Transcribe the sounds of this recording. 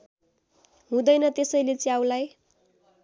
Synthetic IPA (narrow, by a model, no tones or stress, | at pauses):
ɦũd̪ʌjnʌt̪esʌjlet͡siaw̃laj